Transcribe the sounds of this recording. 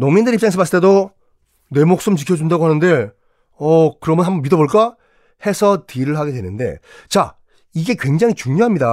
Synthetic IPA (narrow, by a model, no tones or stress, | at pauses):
noŋmindɯɾip̚t͡ɕaŋesʰʌmasɯɭt͈e̞do | ne̞mok̚s͈ɯmt͡ɕikʰjʌd͡ʑundaɡoɦanɯnde̞ | ʌkɯɾʌmʌnɦambʌnmidʌboɭk͈a | he̞sʰʌtiɾɯɭɦaɡe̞dwe̞nɯnde̞̰ | t͡ɕa | iɡe̞kwe̞ŋd͡ʑaŋit͡ɕuŋɲoɦamɲida